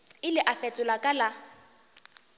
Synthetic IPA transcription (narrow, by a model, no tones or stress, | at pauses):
ɪlɪʔafɛt͡sʼʊlakʼala